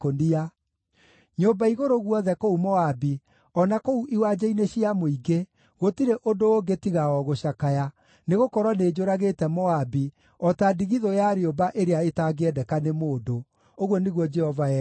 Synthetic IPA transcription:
kondia | ɲombaiɣoɾoɣwɔðɛkoumɔabi | ɔnakouʔiwad͡ʑaineɕiamoiɡe | ɣotiɾeʔondooŋɡetiɣaɔɣoɕakaja | neɣokɔɾwaneːd͡ʒoɾaɣeːtɛmɔabi | ɔtadiɣiðojaɾeobaʔeɾeaetaɡeɛdɛkanemoːdo | oɣwɔneɣwɔd͡ʒɛhɔvaɛ

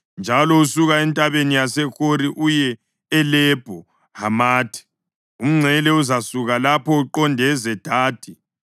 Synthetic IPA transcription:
nd͡ʒʱalɔusuɣaɛntʼaβenijasɛxoɾiʔujɛː | lɛb̥ʱɔ | hamaːtʰi̥ | um̩ŋ͡ǀʱɛlɛuzasuɣalapʰɔuǃɔndʱɛzɛd̥ʱaːd̥ʱi

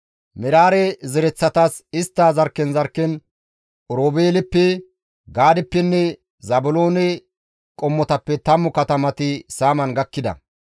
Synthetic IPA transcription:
mɪɾaːɾɛzɛɾɛt͡sːɐt̪ɐsɪst̪ːaːzɐɾkːɛnzɐɾkːɛn | ʔɔɾoːbeːlɛpːɛ | ɡaːd̪ɛpːɛnːɛ | zɐbʊlo̞ːnɛ | kʼɔmːɔt̪ɐpːɛt̪ɐmːʊkɐt̪ɐmɐt̪ɪsaːmɐnɡɐkːɪd̪ɐ̰

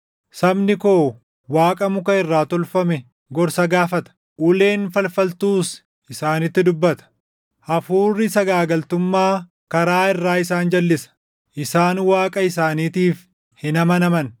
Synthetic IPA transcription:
sɐbnɪko̞ː | waːkʼɐmʊkɐɪrːaːt̪ɔlfɐmɛ | ɡɔɾsɐɡaːfɐt̪ɐ̥ | ʔʊle̞ːnfɐlfɐlt̪uːs | ʔɪsaːnɪt̪ːɪd̪ʊbːɐt̪ɐ̥ | ʔɐfuːrːɪsɐɡaːɡɐlt̪ʊmːaː | kɐɾaːɪrːaːɪsaːnd͡ʒɐlːɪsɐ̥ | ʔɪsaːnwaːkʼɐɪs̬aːniːt̪iːf | hɪnɐmɐnɐmɐn

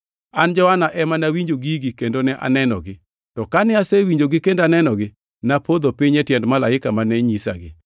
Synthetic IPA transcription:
and͡ʒɔhanaʔɛmanawiɲd͡ʒoɡiɡikendonɛʔa̰nɛnɔ̰ɡɪ | tɔkanɪasɛwiɲd͡ʒoɡɪkendanɛnɔɡɪ | napʰod̪opiɲɛtjɛndmalaɪkamanɛɲisa̰ɡɪ̰

